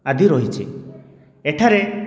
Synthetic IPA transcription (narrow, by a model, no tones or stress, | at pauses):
ad̪ʱiɾɔɦit͡ʃʰi | eʈʰaɾe